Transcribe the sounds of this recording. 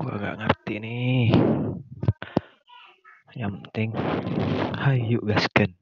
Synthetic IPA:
kua̰ɡa̰ʔŋərt̪ini | jamt̪ɪŋ | hajjuʔɡaskən

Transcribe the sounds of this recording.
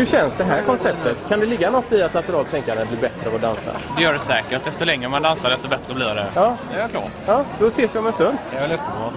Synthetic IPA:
hɵɕɛnsd̪ɛɦæːɾkʰɔnsɛp̚t̪ət̪kʰand̪ɛlɪɡːanɔt̪ːɪat̪lat̪əɾɑːlt̪ʰɛŋkaɾənbliːɾbɛt̪ɾəɔd̪ansa̰d̪ɛjœːɖɛsɛːkəɾ̚d̪ɛst̪ɔlɛŋɾəmand̪ansaɾɖ̪ɛst̪ɔbɛt̪ɾəbliːɾd̪ɛjɑːjakʰlɑ̰ː | jɑːd̪̥ɔseːsvɪɔmɛnst̪ɵnd̪ɛlɵt̪ɔ

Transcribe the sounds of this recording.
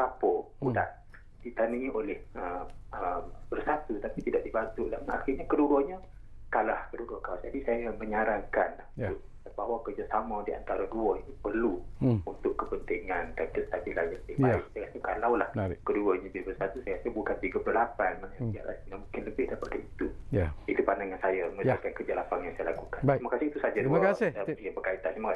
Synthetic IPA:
papɔ | uda̰ʔ | dit̪aniŋiʔolɛhəəbərsat̪ut̪apit̪idaʔdibant̪uʔlaa̰xirɲakəduɾɔɲə | kalahkəduɾuɔkalasd͡ʒadisajaməɲaɾaŋkanlahʊ | abawakərd͡ʒasamadiʔa̰nt̪aɾaduəinupərluunt̪ʊʔkːəpənt̪iŋandankət̪abilanjaətɪhaɪ̰ʔsajəkat̪əkalawlahkəduəɲəbilbəsat̪usajəkasəbukanp̪iɡəpəlalapanmanaia̰ʔa̰sinamũŋkɪnləbɪhdaɾipadait̪uit̪upandaŋansajəməakankərd͡ʒaʔlapaŋjaŋsajalakukant̪imakasɪhit̪usad͡ʒakasɪiabərkait̪ant̪imaka

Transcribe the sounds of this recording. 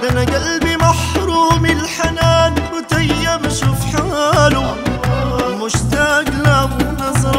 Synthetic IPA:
ʔanaɡalbimaħɾuːmɪlħanaːnbʊt̪ajːabɪʃuːfħalu | mʊʃt̪aɡlabnɑzˤɑɾ

